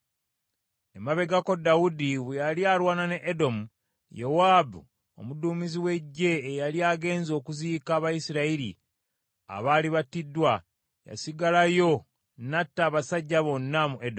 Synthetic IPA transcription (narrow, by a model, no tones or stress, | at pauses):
emaβe̞ɡako̞dawudiβejaliaːlwaːnane̞ʔedo̞mu | jowaːbṵ | o̞̰muduːmiziwe̞ɟːe̞ːjaliaːɡe̞ːnzo̞ːkuziːkaːβajisiɾaiɾḭ | a̰βaːliβatidːwa | ja̰siɡalajo̞ | natːaːβasaɟːaβo̞nːamuʔedo